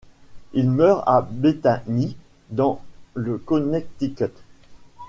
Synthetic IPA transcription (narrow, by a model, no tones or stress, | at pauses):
ilmœʁa̰bet̪ani | d̪ɑ̃ləkɔnɛk̚t̪ikɛt̪